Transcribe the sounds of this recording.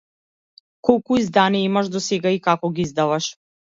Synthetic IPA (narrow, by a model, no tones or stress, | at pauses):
kɔlˠkuizd̪anijaimaʃd̪ɔsɛɡaikakɔɡiizd̪avaʃ